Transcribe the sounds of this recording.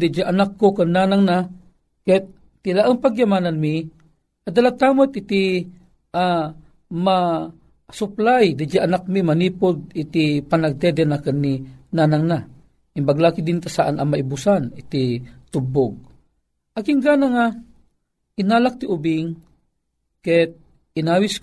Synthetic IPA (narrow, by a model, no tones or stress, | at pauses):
d̪ɪd͡ʒaʔanakːokanːaːnaŋna | kat̪̚ːɪlaʔaŋpaɡjamaːnanmi | ad̪alat̪aːmot̪ɪt̪i | ʔa | ma | sʊplajd̪ɪd͡ʒaʔanak̚mimɐniːpʊd̪̚it̪ipanaɡ̚t̪ɛd̪ɛnakənːinanaŋna | ɪmbaɡlaːkid̪ɪnt̪asaʔanɐŋmaibʊsanɪt̪it̪ʊbʊɡ̚ | ʔakɪŋɡaːnaŋa | ʔɪnaːlak̚t̪iʔʊbɪŋ | kɛt̪̚ | ɪnaːwis